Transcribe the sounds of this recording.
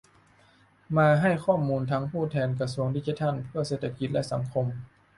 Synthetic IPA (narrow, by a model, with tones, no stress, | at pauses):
maː˧ɦa˥˩jxʰɔː˥˩mːuː˧nt̪ʰaː˦˥ŋpʰuː˥˩t̪ʰɛː˧nka˧su˧˦əŋdiː˧˩t͡ɕi˧t̪ʰa˧˥˨npʰɯ˥˩ɐseː˧˩t̪ʰa˧ki˧t̪̚lɛ˧˥ʔsa̰˩˦ŋkʰo˧m